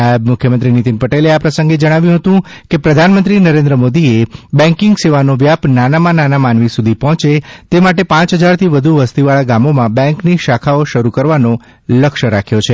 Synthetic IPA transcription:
amʊkʰjəmənt̪ɾinit̪inpəʈeleapɾəsə̃ŋɡed͡ʒəɽ̃aʋjũɦət̪ũkepɾəd̪ʱanmənt̪ɾinəɾend̪ɾəmod̪iebɛ̃ŋkɪŋɡseʋanoʋjapnanamãnanamanʋisud̪ʱipɔɦt͡ʃet̪emaʈepãt͡ʃɦəd͡ʒaɾt̪ʰiʋəd̪ʱuʋəst̪iʋaɭaɡamomãbɛ̃ŋkniʃakʰaoʃəɾukəɾʋano | ləkʃəɾakʰjot͡ʃʰe

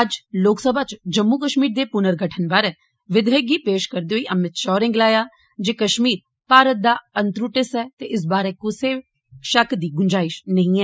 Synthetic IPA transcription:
əd͡ʒloːksəbaːt͡ʃd͡ʒəmːukəʃmiːɾd̪eːpʊnəɾɡʱəʈʰənbaːɾɛː | ʋɪd̪eːɡiːpeːʃkəɾd̪eːɦoiːʔəmɪt̪ʃɔːɾɪ̃ŋɡlaːjaː | d͡ʒeːkəʃmiːɾ | paːɾət̪̚d̪aːənt̪ɾuʈɪsɛːt̪eːʔɪs̬baːɾɛːkʊseː | ʃəkd̪iːɡʊɲd͡ʒaːɪʃnəɦĩɛː

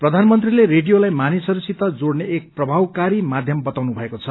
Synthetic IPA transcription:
prʌd̪ʱanmʌnt̪rileɾeɖijolajmanisʌɾusit̪ʌd͡zoɽneːk̚prʌbʱawkaɾimad̪ʱjʌmbʌt̪awnubʱʌekot͡sʰʌ

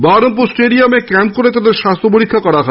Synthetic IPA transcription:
baɾomp̬usʈeɖiamekɛm̚koɾet̪ad̪eɾʃast̪ʰɾopoɾikʰːakɔɾaɦɔ

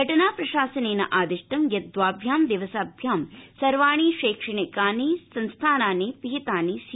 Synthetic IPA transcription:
ɐʈɐnaːpɾɐʃaːsɐneːnɐ̰ʔaːd̪iʂʈɐmjɐd̪ʋaːbʱjaːmd̪iʋɐsaːbʱjaːmsɐɾʋaːɳ̃iːʃeːkʂɐɳikaːneːsɐnst̪ʰaːnaːneːpiɦit̪aːneːs

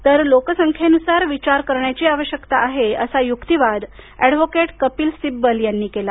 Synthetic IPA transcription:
t̪əɾlokəsəŋkʰjenusaɾʋit͡ɕaɾkəɾɳjat͡ɕiːaʋəɕjəkt̪aʔːɦeə̰sajukt̪iʋad̪ɛɖʋokeʈkəpiːlsibːəljanːiːkela

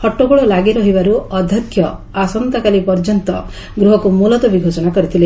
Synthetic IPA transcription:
hɔʈːoɡuɭɔlaɡiɾɔɦibaɾuɔd̪ʱjɔkʰːjɔ | asɔnt̪akalipɔɾd͡ʒɔnt̪ɔ | ɡɾuɦɔkumulɔt̪ɔbiɡʱod͡ʒɔɽ̃akɔɾit̪ʰile

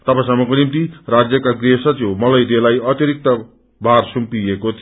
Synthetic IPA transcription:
t̪ʌpãsʌmːʌkonimt̪irad͡zjʌkaɡresʌt͡somʌlʌjd̪elajʌt̪jʌɾik̚t̪ʌ | bʱarsumpiekot̪ʰ

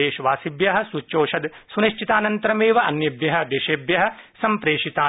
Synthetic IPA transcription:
eːʃʋaːsibjɐɦɐ̆sut͡ʃːoːʃɐd̪suniʃt͡ʃit̪aːnɐnt̪ɐɾɐmeːʋɐʔɐ̰njɐbjɐɦɐ̆d̪eːʃeːbjɐɦɐ̆sɐmpɾeːʂit̪aː

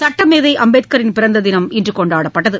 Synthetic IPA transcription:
sɐʈːɐmeːðɐɪʔɐmbeːt̪̚kɐɾɪnpɪɾɐnd̪ɐðɪnɐmɪndrɯkɔɳɖaːɽɐpːɐʈːɐðɯ

